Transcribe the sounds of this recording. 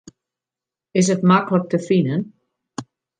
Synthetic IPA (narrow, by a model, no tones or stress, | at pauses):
ɪs̬ətmaklək̚təfinən